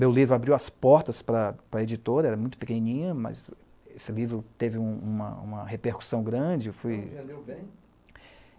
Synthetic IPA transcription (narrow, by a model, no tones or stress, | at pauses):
mewlivɾʊabɾiwɐspɔɾt̪ɐspɾɐpɾɐed͡ʒit̪oɾɐɛɾɐmũt̪ʊpekenĩnĩɲɐmɐ̰z | esɪlivɾʊt̪evɪũũmɐ̰ṵ̃mɐhepeɾku̥sɐ̃w̃ɡɾɐ̃d͡ʒɪfujleẽ